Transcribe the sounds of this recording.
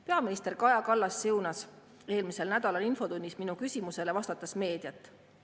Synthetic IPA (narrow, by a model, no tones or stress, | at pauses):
pe̞ɑminist̪e̞rkɑjɑkɑlːɑsːɯwnɑs | e̞ːlmise̞lnæd̪ɑlɑninfo̞d̪unʲːisminukysʲimuse̞le̞vɑst̪ɑt̪ːˑɑsme̞ːd̪̥jɑt̪ˑː